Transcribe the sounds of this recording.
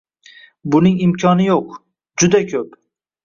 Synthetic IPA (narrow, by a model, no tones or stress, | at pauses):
bʊnɪŋɪmkʲʰɒnɪjoq | d͡ʒʊd̪akʲʰɵp